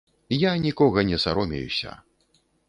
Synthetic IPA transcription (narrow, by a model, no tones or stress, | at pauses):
janʲikɔɣɐnʲɛsa̰ɾɔmʲɛ̰jṵsʲɐ̰